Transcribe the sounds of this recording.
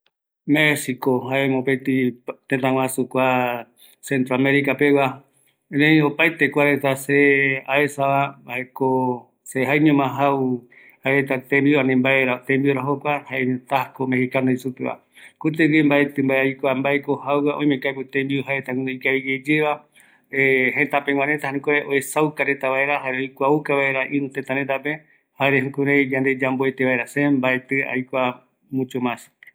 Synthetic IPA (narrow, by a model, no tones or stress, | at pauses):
mesikoɦaemõpet̪it̪ẽt̪ãw̃ãsukʷa | sẽnt̪ɾoameɾikapewa | nẽĩopajt̪ekʷaɾet̪aseaesaβambaeko | seɦajɲõmãɦaw | haeɾet̪at̪embianĩmbaeɾat̪ẽmbioɾaɦokʷahaeɲõt̪akomehikanoisupeβa̰ | kut̪̬eɡembaet̪ɨmbaeajkʷambaekohawaʔõĩmẽŋkajput̪ẽmbiuɦaet̪akũnoikaiɡed͡ʒeβa | eɦẽt̪apẽŋ̃ʷãnet̪ahaɾũkoɾeʔoesawkaɾet̪aβaeɾaɦaɾeojkʷaukaβaeɾaʔĩnũt̪et̪ãɾet̪̬ape | haɾehũkuɾejd͡ʒãnd̪ed͡ʒamboet̪eβaeɾasembaet̪ɨa̰jkʷa | mũt͡ʃomãsi̥